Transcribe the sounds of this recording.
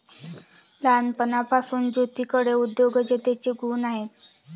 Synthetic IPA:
lanpənapasuːnd͡ʑot̪ikəɽeud̪joɡəd͡ʑet̪et͡ɕeɡuːnaɦet̪

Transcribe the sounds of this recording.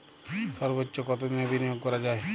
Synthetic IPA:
sɔɾbətːʃokɔt̪onebʱinijoɡ̚kɔɾad͡ʒaːe

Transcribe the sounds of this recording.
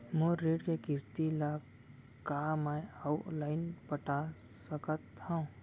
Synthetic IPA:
mõɾeːɖkekɪst̪ila | kamaalaːɪnpəʈʰa | səkət̪ːãũ

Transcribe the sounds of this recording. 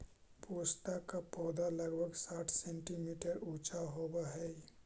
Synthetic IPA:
pust̪akapɔːd̪aləɡbəɡsaːʈʰsẽɳʈimiːʈəɾut͡ʃaɦobaɦɛ

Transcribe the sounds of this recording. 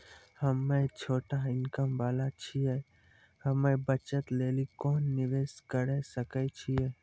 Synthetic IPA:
həmːet͡ʃʰoːʈaɪnkəmʋaːlat͡ʃʰiɛ | həmẽbət͡ʃət̪leːlikɔːnːɪʋeːskəɾɛsəkɛt͡ʃʰiɛː

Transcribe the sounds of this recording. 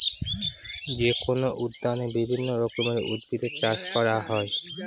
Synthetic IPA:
d͡ʑekonoʔud̪ːanebibʱinːoɾokomeɾʔṵd̪̚bit̪et͡ɕaʃkɔɾaɦɔe

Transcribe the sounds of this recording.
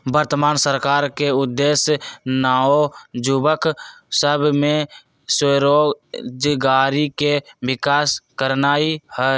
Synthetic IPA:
bəɾt̪əmaːnsəɾkaːɾkeʊd̪ːeːsjnaːod͡ʒubəksəbʱmẽ | seɾoːd͡ʒɡaːɾikebɪkaːskəɾnaːihɛ

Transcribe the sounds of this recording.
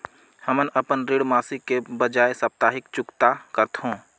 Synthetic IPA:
həmənəpənɾeːɽmaːsɪkːebəd͡ʒaːesɐp̚t̪aːɦɪkt͡ʃʊkt̪akəɾt̪ɦõː

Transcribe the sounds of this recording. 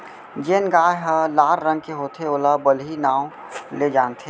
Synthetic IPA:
d͡ʒeːnɡaːɦəlaːɾɾə̃ŋɡ̚keɦoːt̪ʰeoːlabəlinaːw | led͡ʒaːnt̪ʰe

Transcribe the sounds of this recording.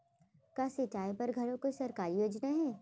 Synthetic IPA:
kaːsɪt͡ʃaːipɐɾɡʱɐɾõkosɐɾkaːɾijoːd͡ʒnaɦɛ̃ː

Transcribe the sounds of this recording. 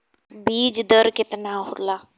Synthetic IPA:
biːd͡ʒd̪əɾkɪt̪naɦʊlaː

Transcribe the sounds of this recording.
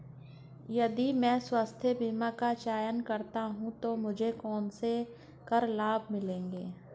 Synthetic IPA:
jɐd̪imɛ̃ːswaːst̪ʰebiːmakat͡ʃaːjənkɐɾt̪aɦũt̪omʊd͡ʒʱekɔːnse | kəɾlaːb̚ʱmɪlẽːŋɡeː

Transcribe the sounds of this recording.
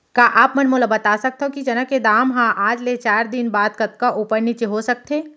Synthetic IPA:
kaʔaːpmɐnmolabɐt̪aːsɐk̚t̪eɦõkid͡ʒɐnəkːed̪aːmɦãʔaːd͡ʒlet͡ʃaːɾd̪ɪnbaːd̪kɐt̪̚kaʔuːpəɾnit͡ʃeɦosɐk̚t̪ʰeː

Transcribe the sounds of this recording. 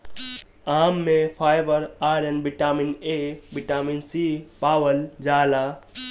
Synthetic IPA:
aːmːẽpʰaːjbəɾaːɾɐnbiʈaːminebiʈaːminsiːpaːwəld͡ʒaːla

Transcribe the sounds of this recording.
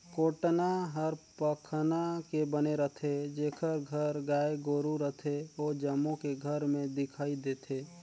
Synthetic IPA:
koːʈnaɦəɾpəkʰnakebəneɾət̪ʰed͡ʒeːkʰəɾɡʱəɾɡaːeɡoːɾuɾət̪ʰeoːd͡ʒəmːõkeɡʱəɾmẽd̪ɪkʰaːid̪eːt̪ʰeː

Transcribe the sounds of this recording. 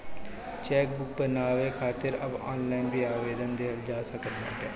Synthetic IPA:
t͡ʃɛːk̚bʊk̚bənaːʋeːkʰaːt̪ɪɾə̰ba̰ːnlaːinbiːaːʋeːd̪ənd̪eːɦəld͡ʒaːsəkəɾnəʈɛː

